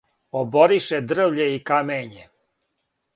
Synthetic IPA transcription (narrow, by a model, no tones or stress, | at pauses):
oboɾiʃed̪r̩ʋʎeikameːɲe